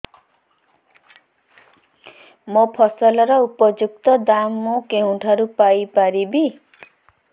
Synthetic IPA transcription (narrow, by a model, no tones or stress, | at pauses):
mopʰɔsɔlɔɾɔupɔd͡ʒuk̚t̪ɔd̪amːukeɦũʈʰaɾupajpaɾibi